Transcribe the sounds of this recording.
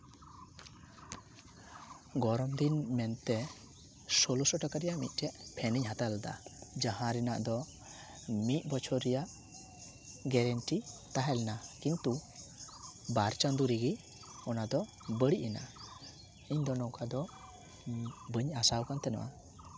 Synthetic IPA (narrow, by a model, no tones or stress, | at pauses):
ɡɔɾɔmd̪inmɛnt̪ɛ | sɔlusɔʈakaɾɛjaʔmḭt̪̚ˀʈɛʔpʰɛniɲɦat̪ald̪a̰d͡ʒahãɾɛna̰ʔd̪ɔ | mit̪̚ˀbɔt͡ʃʰɔɾɛjaʔ | ɡɛɾɛnʈit̪aɦɛlɛnakint̪u | baɾt͡ʃand̪uɾiɡi | ɔnad̪ɔ | bəɽiʔɛna̰ | iɲd̪ɔnɔwkʰad̪ɔ | bəɲasawkant̪ɛnɔ̰ʔa̰